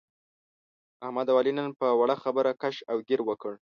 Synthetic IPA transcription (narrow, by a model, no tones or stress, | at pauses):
ahmad̪awɑlinənpəwaɽaxabəɾakaʃawɡɪɾwəkəɽ